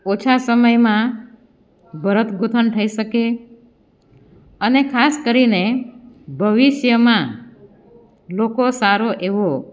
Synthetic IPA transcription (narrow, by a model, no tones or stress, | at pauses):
ot͡ʃʰasəməjmã | bʱəɾət̪ɡʱut̪ʰənʈ̪ʰəiʃəke | ənekʰaskəɾine | bʱəʋiʃjəmã | lokosaɾoʔeʋo